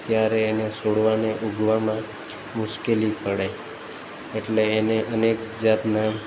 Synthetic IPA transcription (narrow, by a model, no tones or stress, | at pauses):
t̪jaɾeːnesoɽʋaneʔuɡʱʋamã | mʊʃkelipəɽe | eʈleːneʔənekd͡ʒat̪na